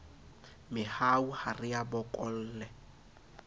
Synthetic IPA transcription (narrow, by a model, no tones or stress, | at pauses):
mɪhauharɪjabɔkʼɔl̩ːlɛ